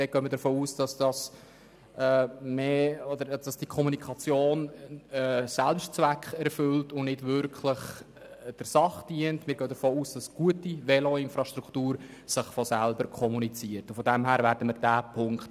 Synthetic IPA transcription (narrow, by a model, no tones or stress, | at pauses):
dɛɡ̥œːməɾdəfoːuːsd̥ɑsd̥ɑs | ɛːmeːɔd̪əɾd̥ɑsd̥ikʰɔmunikʰχɑt͡sjoːnː | sælpʃtt͡svækχɛɾfʏltʊnnɪdvʏɾkχləχ | d̥əɾsɑχd̥iəntmɪːɾɡœːd̪əɾfoːuːsd̥ɑsɡ̥uətivɛloɪnfɾɑʃtɾuktuːɾ | sɪχfɔsælbəɾkʰɔmunit͡siəɾtufɔdɛmɦæːɾvæːɾdəməɾdæːpʰʊŋkt